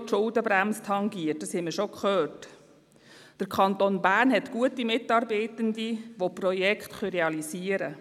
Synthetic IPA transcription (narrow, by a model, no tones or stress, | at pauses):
tʃʊldəbɾæmstʰɑŋɡiət̚dɑshɛməʃokχœːt | d̪̥əɾkʰχɑnt̪onbæːɾnɦɛtɡ̥uətimɪtɑɾbeɪtəndiʋopɾɔjɛkχtχœɾeɑlisiːəɾə